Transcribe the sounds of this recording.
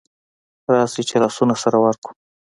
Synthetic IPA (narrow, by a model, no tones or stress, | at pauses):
ɾɑsit͡ʃelɑsunasaɾawaɾku̥